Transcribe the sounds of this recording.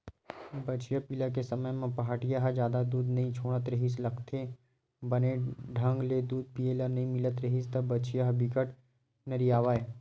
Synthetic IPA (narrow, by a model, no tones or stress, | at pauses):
bɐt͡ʃjapiːlak̬esɐməjmẽpɐɦaːʈijaɦad͡ʒjaːd̪ad̪uːd̪nɐɦĩt͡ʃʰoːɽ̃ət̪ɾɐɦislɐkt̪ʰe | bɐneɖʱə̃ŋɡled̪uːd̪̚pijelənɐɦĩmɪlət̪ɾɐɦist̪ɐbbɐt͡ʃijaɦbʱɪkəʈ | nɐɾijaːʋaːe